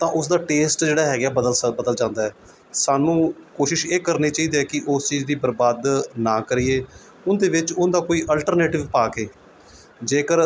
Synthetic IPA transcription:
t̪ãːʔʊsd̪aːʈeːsʈd͡ʒeːɽaːɦɛːɡɛːbəd̪əlbəd̪əld͡ʒãːnd̪aːɛː | saːnũːkoːʃɪʃeːkəɾniːt͡ʃaːiːd̪eːɛːkɪʔʊst͡ʃiːzd̪iːbəɾbaːd̪nãːkəɾiːeː | ʊnd̪eːʋɪt͡ʃʊnd̪aːkoːiːʔəlʈəɾneːʈɪʋpaːkeː | d͡ʒeːkəɾ

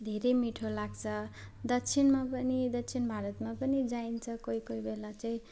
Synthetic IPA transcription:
d̪ʱeɾejmiʈʰolaɡt͡sʰʌd̪ʌkt͡sʰinmapʌnid̪ʌkt͡sʰinbʱaɾʌt̪mapʌnid͡zaint͡sʰʌkoikoibelat͡saĩ

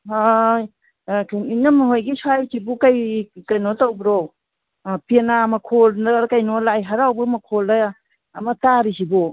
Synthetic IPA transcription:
a | kinamɦojɡisajtibukajkajnɔtawbɾɔ | pinamakʰɔldaɾkajnɔlajɦaɾawbumakʰɔldajaː | mataɾisibɔ

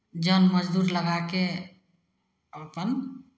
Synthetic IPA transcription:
d͡ʒənməd͡ʒd̪uɾləɡake | əpən

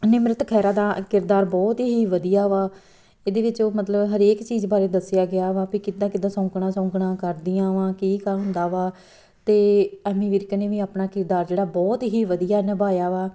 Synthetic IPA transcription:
nɪmɾət̪kʰɛːɾaːd̪aːkɪɾd̪aːɾbɔːt̪ɦiːʋəd̪ijaːʋaː | eːd̪eːʋɪt͡ʃoːmət̪ləbɦəɾeːkt͡ʃiːzbaːɾeːd̪əsɪjaːɡɪaːʋaːpiːkɪd̪ãːkɪd̪ãːsɔ̃ːkɳãːsɔ̃ːkɳãːkəɾd̪iːãːʋãːkiːkəɦʊ̃nd̪aːʋaː | t̪eːɛːmiːʋiɾkneːʋiːaːpnaːkɪɾd̪aːɾd͡ʒeːɽaːbɔːt̪ɦiːʋəd̪ijaːnɛbaːjaːʋaː

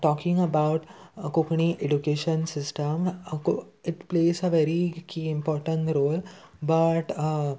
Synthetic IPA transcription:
ʈɔkɪ̃ŋɡəbaʊʈkokɳiʔeɖukeʃə̃nsɪsʈəmkoɪʈpleːzəʋɛɾikʰiɪ̃mpɔɾʈə̃ɳʈɾoːlbaʈ

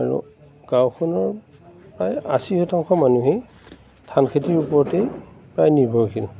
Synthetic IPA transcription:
aɹṵ | ɡ̥awkʰɔnɔɹ | pɹaja̰sihɔtʰaŋkʰɔmanuɦe | tʰankʰetiɹupɔɹtepɹajnibʱɔwkʰil

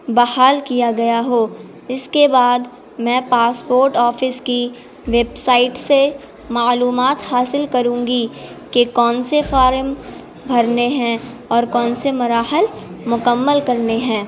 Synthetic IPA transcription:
bɐhaːlkijaɡɐjaɦoː | ɪskebaːd̪ | mɛ̃ːpaːspoːɾʈɔːfɪski | ʋeːbsaːɪʈse | maːluːmaːt̪haːsɪlkɐɾũːŋɡi | kekɔːnsefaːɾm | bʱɐɾneɦɛ̃ | ɔːɾkɔːnsemʊɾaːhəlmʊkəmːəlkɐɾneɦɛ̃ː

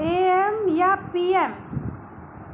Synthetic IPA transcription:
eemjapiem

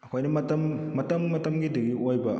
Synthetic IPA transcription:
ɐkʰojnɐmɐtɐmːɐtɐmːɐtɐmɡidɐɡiojbɐ

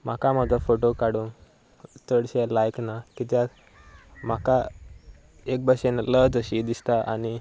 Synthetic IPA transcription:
m̤akamad͡zʱafoʈokaɽun | t̪ʰəɽɕelajknakit̪̬ja | m̤aka | ek̚bʱaɕenləd͡zəɕid̪ist̪aʔa̰ni

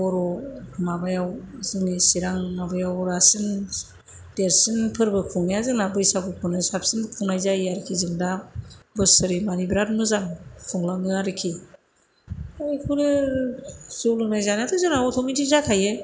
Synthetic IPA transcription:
ɔɾɔmabajawzɯŋnisiɾaŋmabajawɾasɯn | d̥eɾsinpʰɯɾbɯkʰuŋnjazɯŋnabɯjsakɯkʰunɯsapsinkʰuŋnajzajaɾikʰizɯŋdabɯsɯɾimanibɾat̚mɯzaŋkʰɔŋlanɯaɾɯkʰi | ajkʰuɾɯ | zulɯnajzanatʰɯzɯnaɔtʰɔmitizakʰaje

